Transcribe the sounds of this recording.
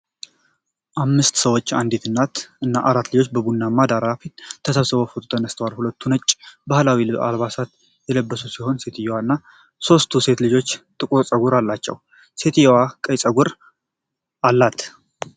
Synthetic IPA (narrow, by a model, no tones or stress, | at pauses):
ʔamːɨst̪səwot͡ʃːa̰nd̪it̪ʰɨnːat̪ʔɨnːaʔaɾat̪ːlɨd͡ʒo̞t͡ʃːbəbunːamːad̪aɾafit̪t̪ʰːəsəβsɨβofut̪ʰʼt̪ʰənəst̪ʰəwalhulət̪ʰːunət͡ʃʼːbahlawilɨa̰lβasat̪ | jɛləbːəsusiho̞nse̞t̪ʰjɛwanːa | so̞st̪ʰuse̞t̪lɨd͡ʒo̞t͡ʃːt̪ʼɨkʼuɾt͡sʼəɡuɾalːat͡ʃːɛ̰w | se̞t̪ijwakʼəjsʼəɡuɾ | ʔalːat̪ʰ